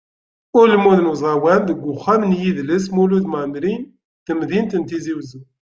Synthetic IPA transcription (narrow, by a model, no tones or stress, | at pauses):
ʊɾlmuðnuzˤɑwænðəɡʷːʊχːæmnjiðləs̬muluðmanɾin | t̪əmðint̪ənt̪iziwzu